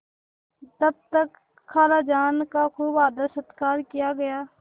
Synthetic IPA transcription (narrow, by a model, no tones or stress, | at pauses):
t̪ɐb̚t̪ɐkːʰ | aːlaːd͡ʒaːnkakʰuːbaːd̪asət̪kaːɾkijaɡɐjaː